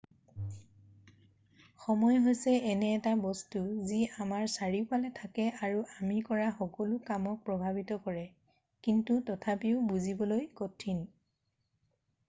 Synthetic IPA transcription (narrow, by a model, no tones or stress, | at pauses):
xɔmɔjɦojsɛɛnɛːtabɔstuziamaɹsaɹipalɛtʰakɛaɹuʔamikɔɹaxɔkɔlʊkamɔk̚pɹɔbʱabitɔkɔɹɛ | kintutɔtʰapiʊbuzibɔlojkɔtʰin